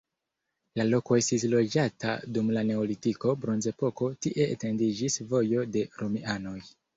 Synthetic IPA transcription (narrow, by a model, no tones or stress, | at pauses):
lalo̞ko̞e̞stis̬lo̞d͡ʒata̰dumlane̞olitiko̞bɾo̞nze̞po̞ko̞tiʔe̞̰ːte̞ndid͡ʒisvo̞jo̞de̞ɾomiano̞j